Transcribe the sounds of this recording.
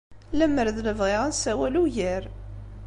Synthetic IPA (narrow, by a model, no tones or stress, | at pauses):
læməɾðləvʁɪʁənsæwæluʝəɾ